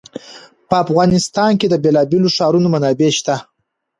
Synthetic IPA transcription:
pəafɣɑnɪst̪ɑnked̪əbelɑbeloʂɑɾunomanɑbeʃt̪a

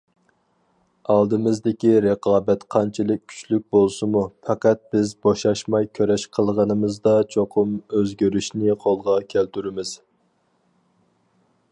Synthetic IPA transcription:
ɑlˠd̪ɨmɨzd̪ɪkʲiɾeqʰɑːbɛt̪qʰɑnt͡ʃʰilˠək̚ʲʰy̥t͡ʃlyk̚ʲbolˠsɨmufʰɑqæt̪̚bɪzboʃɑʃmɑjkʲʰøɾɛʃqʰəlˠʁənɨmɨzd̪ɑt͡ʃʰoqʰʊmøzɡʲøɾyʃnɪqʰolˠʁɑkʲʰælt̪ʰyɾɪmɪz̥

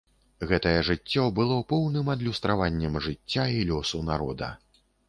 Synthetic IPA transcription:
ɣɛt̪ɐjɛʐɨt͡sʲːɔbɨlˠɔpɔwnɨmɐd̪lʲust̪ɾavanʲːɛmʐɨt͡sʲːailʲɔsunaɾɔd̪ɐ̰

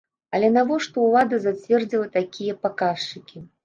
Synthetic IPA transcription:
ɐlʲɛnavɔʂt̪ɔwlˠad̪ɐzat͡sʲvʲɛrd͡zʲilˠɐt̪akʲʰijɐpakaʂt͡ʂɨkʲi

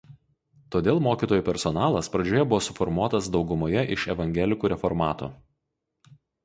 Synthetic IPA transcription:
t̪oːd̪ʲeːlˠmoːkʲiːt̪oːjuːpʲɛɾsɔnɑːlˠɐspɾɐd͡ʒʲoːjɛbʊʋoːsʊfɔɾmuɔt̪ɐsd̪ɒʊɡʊmoːjɛʔɪʃɛʋɐŋʲɡʲɛlʲɪkuːɾʲɛfɔɾmɑːt̪o̰ː

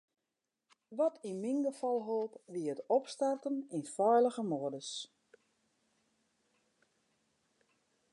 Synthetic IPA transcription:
ʋɔtʰiminɡəfɔlˠɦoːpʋiəətɔpstartəninfɔjlˠəɣəmoədəs

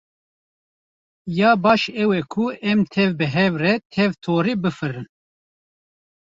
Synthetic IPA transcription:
jɑːbɑːʃɛwɛkʰuʔɛmt̪ʰɛvbɨɦɛvrɛt̪ʰɛvt̪ʰoːɾibɨfɨɾɨn

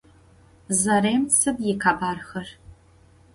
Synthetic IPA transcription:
zɐɾeːmt͡sʰɐbjɪkʰaːbaːrxɐr

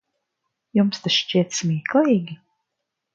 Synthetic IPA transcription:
jumst̪asʃt͡ʃiɛt̪smʲiɛklˠijɡʲi

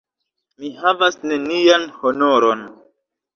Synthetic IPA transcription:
mihavasne̞nianhonoɾon

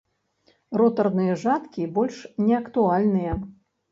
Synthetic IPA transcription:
rɔt̪ɐrnɨjɐʐat̪kʲibɔlʲʂnʲɛɐkt̪ualʲnɨjɐ

